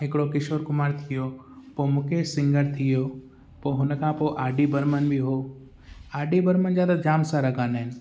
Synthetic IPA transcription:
ɦɪkɪɽokɪʃoɾkʊmaːɾt̪ʰijo | pomũːkʰesɪ̃ŋɡəɾt̪ʰijo | poːɦʊnkʰãpoʔaːɖibəɾmənbʱiɦoː | aːɖibəɾmənzjaːd̪ad͡ʑaːmsãɾɐkʰaːnəɦɪnɪ̆

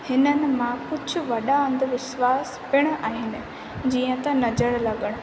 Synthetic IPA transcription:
hɪnənɪ̆mãkʊd͡ʑʱʊ̆ʋɐɗaə̃nd̪əʋɪʃwaːspɪɽ̃aːɦɪnɪ̆ | d͡ʑiːə̃t̪ɐnɐzəɽlɐɠəɽ̃̆

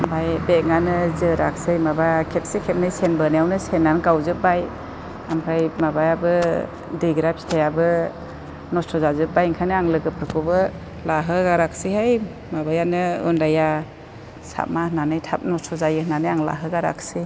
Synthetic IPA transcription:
bajbeŋanɯzɯɾak̚sɯjmabaakʰet̚sekʰet̚nɯjsenbanajawnɯsenːankawzɯp̚baj | amkʰɾajmabajabɯ | dɯjɡɾapʰi̥tʰajabɯ | nɔstʰɔzazɯp̚bajŋkʰanɯaŋlɯɡɯp̚ʰɾɯkʰɔbɯ | laɦɯɡaɾak̚siɦaj | mabajanɯɯ̰ndaja | sa̰mahnanɯjtʰa̰p̚nɔstʰɔzajɯhnanɯjaŋla̰ɦɯɡaɾa̰k̚ʰse

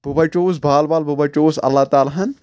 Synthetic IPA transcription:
b̥ʱubɐt͡ʃoːs̬bʱaːlbaːlbʱubɐt͡ʃoːsɐ̰lːat̪aːlaɦɐn

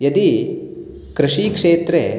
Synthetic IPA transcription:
jɐd̪i | kɾɐʂikʂeːt̪ɾe

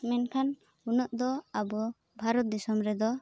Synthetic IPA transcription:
mɛnkʰan | unɔʔd̪ɔabɔ | bʱaɾɔt̪̚d̪isɔmɾɛd̪ɔ

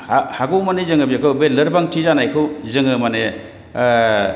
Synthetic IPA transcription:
hahaɡomanezɯŋɯbikʰɯwbelɐɾbaŋtʰizanajkʰɯwzɯŋɯmane

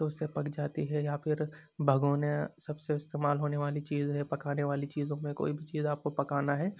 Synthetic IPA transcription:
oʊsepɐkd͡ʒaːt̪iɦɛjafʰɪɾ | bʱɐɡoːnesɐbseɪst̪eːmaːlɦoːneʋaːlit͡ʃiːzɦɛpɐkaːneʋaːlit͡ʃiːzõmẽko̰ːibʱit͡ʃiːzaːp̚kopɐkaːnaɦɛː

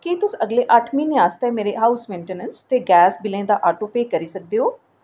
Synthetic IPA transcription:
kit̪ʊsəɡleːʔəʈʰmĩːnẽaːst̪ɛːmeːɾeɦaːʊsmẽːɳʈenənst̪eːɡɛːsbɪlẽːd̪aːʔaːʈoːpeːkəɾiːsək̚d̪eːɦoː

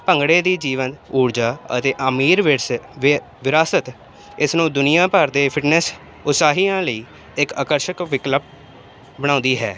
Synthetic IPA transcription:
pəŋɡɽeːd̪iːd͡ʒiːʋənuːɾd͡ʒaːə̰t̪eːʔəmiːɾʋ | ʋɪɾaːsət̪ | ɪsnũːd̪ʊnɪjãːpəɾd̪eːpʰɪʈnɛs | ʊsaːɦiːãːləiː | ɪkaːkəɾʃəkʋɪkləp̚ | bəɽ̃ãːnd̪iːɦɛ̰ː

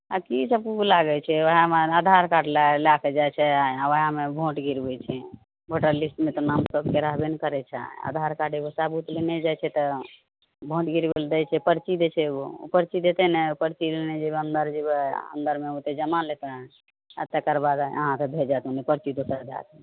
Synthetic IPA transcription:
a̰kisəb̚kelaɡɛt͡ʃʰɛʋəɦamead̪ʱaɾkaʈlalakɛd͡ʒat͡ʃʰɛaʋəɦamebʱõʈɡiɾbɛt͡ʃʰɛ | bʱoʈəɾlisʈmet̪onamsəbkeɾaɦbenkəɾɛt͡ʃʰɛ̰a̰d̪ʱaɾkaʈebosabut̪lenɛd͡ʒajt͡ʃʰɛt̪ɔ | bʱõʈɡiɾbeld̪ɛjt͡ʃʰɛpəɾt͡ʃid̪et͡ʃʰɛo̰pəɾt͡ʃid̪et̪ɛnɛpəɾt͡ʃilenɛd͡ʒebənd̪əɾd͡ʒebə̰nd̪əɾmeot̪ed͡ʒəmalet̪ẽ | ə̰t̪ekəɾbad̪ə̰ɦãt̪ebʱed͡ʒat̪ũnipəɾt͡ʃid̪osəɾd̪a̰t̪ɛ

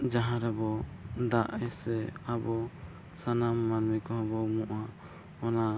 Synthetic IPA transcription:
d͡ʒaɦãɾɛbɔd̪aʔɛsɛabɔ | sanamːanmɛkɔɦabɔmɔʔhã | ɔna

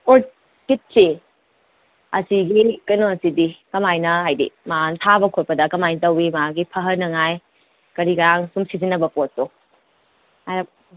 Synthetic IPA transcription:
o | kit̚se | ɐsiɡikɐjnoɐsidikɐmajnɐɦajdḭmantʰabɐkʰot̚pɐdɐkɐmajntɐwimɐaɡipʰɐɦɐnːɐŋaj | kɐɾiɡɐɾaŋsumsizinːɐbɐpotːo | ajɾɐ

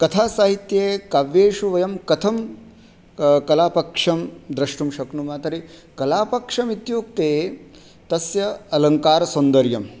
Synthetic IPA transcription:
kɐt̪ʰaːsaːɦit̪jeːkaʋjeːʃuʋɐjɐmkɐt̪ʰɐm | kɐlaːpɐkʂɐmd̪ɾɐʂʈumʃɐknumaːt̪ɐɾikɐlaːpɐkʂɐmit̪joːk̚t̪eː | t̪ɐsjɐɐlɐŋkaːɾɐsɐnd̪ɐɾjɐm

